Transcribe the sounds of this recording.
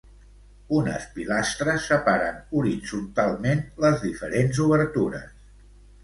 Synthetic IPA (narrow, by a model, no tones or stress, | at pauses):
unə̰spilast̪ɾəsːəpaɾənuɾid͡zunt̪alˠmenləzðifəɾenzuβəɾt̪uɾə̰s